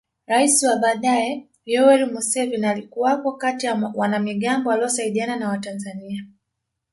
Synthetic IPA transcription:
ɾaisiwaɓaːɗaɛ | jɔwɛlimusɛvinalikuwapɔkatijawanamiɠambɔwaliɔsaiɗiananawatanzania

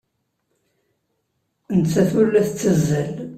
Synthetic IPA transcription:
ənt͡sːæθulːæθt͡sːəzːəl

